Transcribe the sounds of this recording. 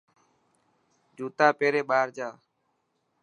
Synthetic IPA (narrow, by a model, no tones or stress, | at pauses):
d͡ʒuːt̪aːpeːɾeːɓaːɾd͡ʒaː